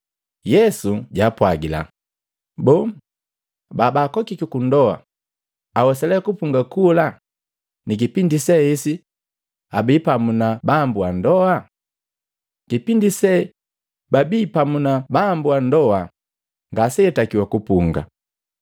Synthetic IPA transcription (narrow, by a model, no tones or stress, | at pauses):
jɛsuɟaːpwaɡila̰ | bɔ | babaːkɔkikikundɔa̰ | awɔsɛlɛkupuŋɡakula | nik̬ipindisɛisi | abiːpamunabambuandɔa | kipindisɛ | babiːpamunabambuandɔa | ŋɡasɛɛtakiwakupuŋɡa̰